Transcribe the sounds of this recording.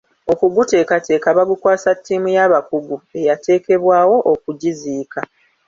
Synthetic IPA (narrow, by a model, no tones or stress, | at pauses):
o̞kuɡute̞ːkatʰe̞ːkaβaɡukwaːsatːiːmujaβakuɡue̞jate̞ːke̞βwaːwo̞ʔokuɟiziːka